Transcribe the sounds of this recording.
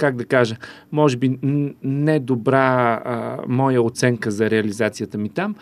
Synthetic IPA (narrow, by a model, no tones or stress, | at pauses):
kaɡ̚d̪ɐkaʒə | mɔʒɛbinɛd̪obɾa | mɔjəot̪sɛŋkəzɐɾɛɐlizat̪sijət̪əmit̪am